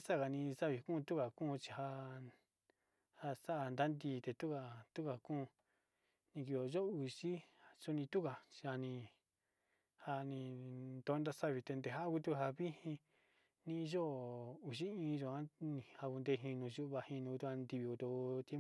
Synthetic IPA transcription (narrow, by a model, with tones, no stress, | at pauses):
sa˦˨ka˨nĩ˧sa˦βi˧˨˧kũ˦˧t̪u˦ka˨kũː˦˧t͡ʃi̥˧ha˧ | ha˧sa˦ʔa˧nd̪a˦nd̪iː˧t̪e˧t̪u˦ka˧t̪u˦ka˨kũː˦˧ | nĩ˧ki˧˨jo˨˧ʒo˦˧˨u˧ʃi˦a˨su˦nĩ˧t̪u˦ka˧˨t͡ʃi˧a˧nĩ˧ | ha˧nĩ˧nt̪o˧˦nd̪a˧sa˦βi˧t̪e˧nd̪e˧ɦa˦ku˧t̪̬u˦˧ɦa˧βi˦hĩ˧ | nĩ˦˧ʒo˦u˨ʃi˦ĩː˧ʒo˧˨a˦nĩ˧ha˧ku˧nd̪e˧ɦĩ˧nũ˧ʒu˦˧βa˧hĩ˧nũ˧ku˧u˦ha˧nd̪i˧βi˧ko˧t̪o˧t̪e˦